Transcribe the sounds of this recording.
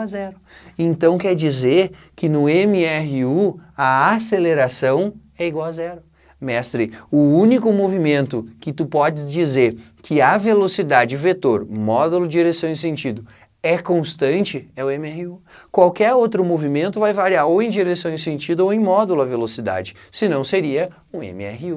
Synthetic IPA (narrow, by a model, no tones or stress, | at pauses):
zɛɾʊẽnt̪ɐ̃w̃kɛɾd͡ʒizeɾ | kɪnʊẽmɪɛɦɪuɐaseleɾasɐ̃w̃ | ɛiɡwawazɛɾʊ | mɛst̪ɾɪʊũnikʊmovimẽnt̪ʊkɪt̪upɔd͡ʒɪzd͡ʒizeɾ | kʰɪavelosid̪ad͡ʒɪvet̪oɾmɔd̪ulʊd͡ʒiɾesɐ̃w̃ĩsẽnt͡ʃid̪ʊ | ɛkõst̪ɐ̃nt͡ʃɪɛʊẽmɪɛɦɪukwawkɛɾowt̪ɾʊmovimẽnt̪ʊvajvaɾiaɾowẽj̃d͡ʒiɾesɐ̃w̃ẽsẽnt͡ʃid̪ʊoẽj̃mɔd̪ʊlʊɐvelosid̪a̰d͡ʒɪ | sɪnɐ̃w̃seɾiɐ | ũḛ̃mɪ̰ɛ̰hɪu